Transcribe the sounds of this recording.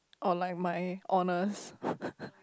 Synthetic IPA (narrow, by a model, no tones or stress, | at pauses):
ʔɔlajk̚maɪʔɔnəs